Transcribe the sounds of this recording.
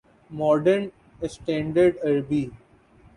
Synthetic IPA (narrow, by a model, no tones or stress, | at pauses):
mɔːɖəɾn | esʈɛ̃ːɳɖəɾɖɐɾbi